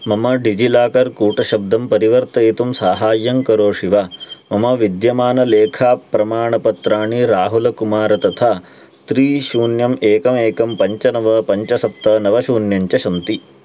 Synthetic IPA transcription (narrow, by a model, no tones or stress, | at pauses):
mɐmɐɖid͡ʒilaːkɐɾkuːʈɐʃɐb̚d̪ɐmpɐɾiʋɐɾt̪ɐet̪umsaːɦaːjːɐŋkɐɾoːʂiʋaːmɐmɐʋid̪jɐmaːnɐleːkʰaːpːɾɐmaːɳɐpɐt̪ɾaːɳiɾaːɦulɐkumaːɾɐt̪ɐt̪ʰaː | t̪ɾiːʃuːnjɐmeːkɐmeːkɐmpɐɲt͡ʃɐnɐʋɐpɐɲt͡ʃɐsɐp̚t̪ɐnɐʋɐʃuːnjɐɲt͡ʃɐʃɐnt̪i